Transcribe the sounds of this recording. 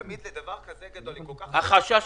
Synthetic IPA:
mid̪led̪ɐvaʁkazeɡad̪olkokaχhaχaʃa

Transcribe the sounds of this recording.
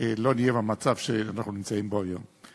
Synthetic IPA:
elo̞nijevamat͡sav̥ʃeanaχnunimt͡saimboajo̞̰m

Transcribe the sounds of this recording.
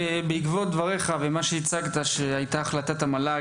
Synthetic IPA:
ebeikvod̪vaʁeχavemaʃeit͡saɡt̪aʃeajt̪aːχlat̪at̪amala

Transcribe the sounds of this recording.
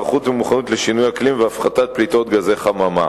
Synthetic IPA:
χut̪vemuχanut̪leʃinujaklimveafχat̪at̪̚plit̪o̞t̪ɡaze̞χamama̰

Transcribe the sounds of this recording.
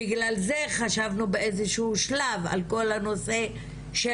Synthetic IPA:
iɡlalze̞χaʃavnubeʔezeʃuːʃlava̰lko̞lhano̞se̞ | ʃe

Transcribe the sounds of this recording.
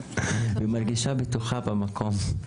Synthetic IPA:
bɪmaɾˤɡɪʃaːbɪt̪uxaːbamakoːm

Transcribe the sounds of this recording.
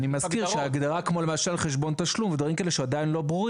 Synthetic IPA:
nimaskiʁʃeaɡd̪aʁakmo̞le̞maʃalχeʃ̬bo̞nt̪aʃlumved̪vaʁimkaeleʃead̪ainlo̞bʁuʁ

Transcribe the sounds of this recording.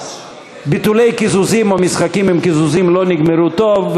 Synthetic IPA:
bit̪ule̞jkizuzimomisχakimimkizuzimlo̞niɡmeɾut̪o̞v

